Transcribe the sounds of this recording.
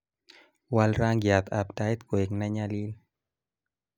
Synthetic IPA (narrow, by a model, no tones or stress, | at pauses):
walɾaŋɡjat̪apdajt̪koeknaɲalil